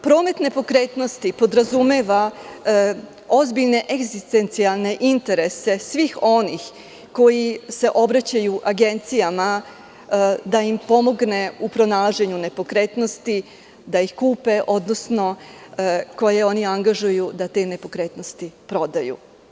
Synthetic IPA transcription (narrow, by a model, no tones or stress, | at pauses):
pɾo̞ːme̞t̪ne̞po̞kɾeːt̪no̞st̪ipo̞d̪ɾazumeʋa | ozbiʎne̞ʔeɡzist̪ent̪sialˠne̞ʔint̪e̞ɾe̞se̞sʋixo̞nix | ko̞jise̞ʔo̞bɾat͡ɕajuʔaɡe̞nt̪sijama | d̪aimpo̞mo̞ɡne̞upɾo̞nalˠaʒe̞ɲune̞po̞kɾe̞ːt̪no̞st̪i | d̪aixkuːpe̞ʔo̞d̪no̞sno̞ | ko̞jeo̞niaŋɡaʒujud̪at̪e̞ːne̞po̞kɾe̞ːt̪no̞st̪ipɾo̞d̪ajṵ